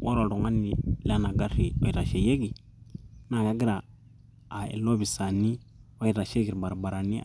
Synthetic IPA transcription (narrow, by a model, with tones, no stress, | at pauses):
wʔa˦ɾo˨ɾo˨ŋa˦ni˨la˦na˨ɡa˦ɾi˨ɔ˦i˨ɾa˨ʃɛ˨je˦ɡi˨ | na˨ɡa˦ɡi˦ɾaː˨ | ḛ˨lo˦βi˨sa˨ni˦ | o˦i˦˨ɾa˨ʃɛ˦ɡi˨ɾi˨ba˨ɾa˨ba˨ɾa˨ni˦